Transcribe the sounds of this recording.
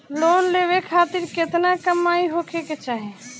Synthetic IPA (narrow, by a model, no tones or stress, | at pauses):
loːnleːʋekʰaːt̪ɪɾket̪nakəmːaːiɦokʰeket͡ʃaːɦe